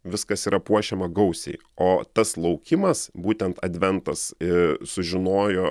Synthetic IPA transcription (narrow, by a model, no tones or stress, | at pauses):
ʋʲɪskɐsiːɾʔɐpuɔʃʲɛmɐɡɐʊsʲɛ̰ɪ | oːt̪ɐslˠɒʊkʲɪmɐsbuːt̪ʲɛnt̪ɐd̪ʲʋʲɛnt̪ɐsɪsʊʒʲɪnoːjoː